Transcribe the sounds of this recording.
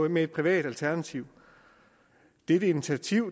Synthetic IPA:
meed̥̚pʰʁiʋɛ̰ːd̥ælt͡sʰæɐnæt͡sʰiʊ̰ | d̥e̝d̥əinit͡sʰiæt͡sʰiʊ̰

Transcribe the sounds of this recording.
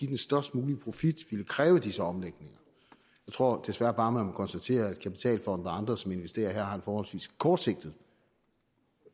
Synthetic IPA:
id̥ensd̥ɶɐsd̥muːlipʰʁo̝fid̥ʋiləkʰʁɛːʊəd̥isəɒ̽mleɡ̥ne̝ŋɐ | jɑ̈ɪt͡sʰʁo̝ɐ̰d̥e̝sʋæɐb̥ɑ̈ːmeæmkʰɒnsd̥æt͡sʰe̝̰ːɐæd̥̚kʰæpi̥t͡sʰɛ̰ːlfɒ̽n̰d̥ˠɐɑ̈nd̥ʁɐsɒ̽me̝nʋesd̥e̝̰ːɐɦæɐ̰ɑ̈ænfɒːhɒ̽lsʋḭːskʰɒːd̥se̝ɡ̥̚d̥ð̩ˠ

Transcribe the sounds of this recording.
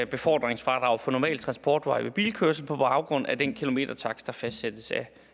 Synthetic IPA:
b̥e̝fɒ̰ːd̥ʁeŋsfʁɑ̈d̥ʁɑ̈ʊfɒ̽nɒmɛ̰ːlt͡sʰʁɑnsb̥ɒ̰ːd̥ʋɑ̈ɪʋeb̥ḭːlkʰøɐsl̩pʰɒ̽b̥ɑ̈ʊɡ̥ʁɔ̽n̰æd̥enkʰilo̝me̝̰ːd̥ɐt͡sʰɑ̈ɡ̥sd̥ɑ̈fæsd̥sed̥əsæ

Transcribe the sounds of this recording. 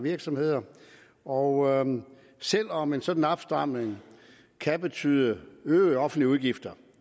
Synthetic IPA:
ʋiɐɡ̥sɒ̽mhe̝ð̞̰ˠɐ | ɒʊ | sel̰ɒ̽me̝nsɒ̽d̥n̩ɑb̥sd̥ɑ̈m̰neŋ | kʰæb̥e̝t͡sʰyːðˠəøːɒ̽fn̩d̥liəuðˠɡ̥ifd̥ɐ

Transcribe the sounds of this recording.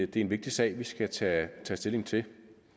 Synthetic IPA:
d̥e̝æɐe̝nʋe̝ɡ̥̚d̥isɛ̰ɪ̰ʋisɡ̥æt͡sʰɛt͡sʰɛ̰ːsd̥e̝le̝ŋt͡sʰe̝

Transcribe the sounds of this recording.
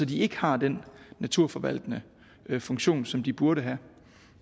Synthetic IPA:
sɒ̽d̥ie̝ɡ̥əhɑ̈d̥enːæt͡sʰuɐ̰fɒ̽ʋæl̰d̥ənə | fɔ̽ŋɕo̝̰ːnsɒ̽md̥ib̥uɐɾəɦæ

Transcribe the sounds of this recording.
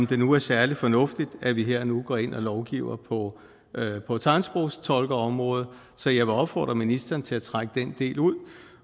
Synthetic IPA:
md̥e̝nuæɐsæɐlifɒ̽nɔ̽fd̥id̥æʋiɦeɐ̰nuɡ̥ɒe̝n̰ʔɒlɒʊɡ̥ḭːʊɐpʰɒ̽ | pʰɒ̽t͡sʰɑ̈ɪnsb̥ʁoʊst͡sʰɒ̽lɡ̥ɐɒ̽mʁɔ̽ːð̞̩ˠ | sɒ̽jɑ̈ɪʋeɒ̽b̥fɒ̰ːd̥ʁɐminisd̥ɐːnt͡sʰe̝læt͡sʰʁaɡ̥əd̥end̥e̝̰ːluð̰ˠ

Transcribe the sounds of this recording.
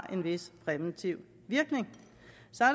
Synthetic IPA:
ʔe̝nʋe̝spʰʁɛʋent͡sʰiʊ̰ | ʋiɐɡ̥ne̝ŋ | sɑ

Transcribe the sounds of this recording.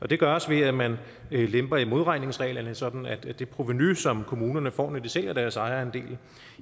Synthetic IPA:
ʔɒ̽d̥e̝ɡ̥ɶɐɒsʋe̝æmæn | lemb̥ɐimo̝ð̞ˠʁɑ̈ɪ̰ne̝ŋsʁɛ̰ɪ̰lɐnəsɒ̽d̥n̩æd̥d̥e̝pʰʁo̝ʋenysɒ̽mkʰo̝muːnɐnəfɒ̰ːned̥isel̰æd̥æɐsɑ̈ɪɐend̥e̝̰ːl

